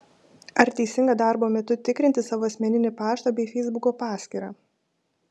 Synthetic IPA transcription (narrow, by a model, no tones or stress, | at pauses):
ɐɾt̪ʲɛɪsʲɪŋɡɐːd̪ɑˑɾboːmʲɛt̪ʊt̪ʲɪkɾʲɪnt̪ʲɪsɑːʋoːɐsʲmʲɛnʲɪnʲɪpɑːʃt̪ɐbʲɛɪfʲɛɪzbʊkoːpɑːsʲkʲiːɾɑː